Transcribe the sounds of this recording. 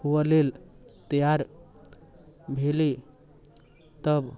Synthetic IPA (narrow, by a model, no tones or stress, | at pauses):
huəlelt̪əjaɾ | bʱeli | t̪əb